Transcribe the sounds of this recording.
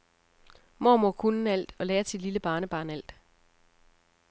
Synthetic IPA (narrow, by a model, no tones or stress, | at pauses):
mɒ̰mokʰunn̩æl̰d̥ɒ̽leːɐsid̥liləb̥ɑ̈ːnəb̥ɑ̈ːnæl̰d̥